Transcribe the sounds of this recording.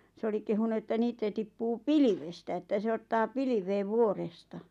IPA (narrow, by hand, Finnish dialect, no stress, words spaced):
se oli kehunu etːæ niːtæ tipːuː piliʋestæ etːæ se otːɑː piliʋeːʋ ʋuorestɑ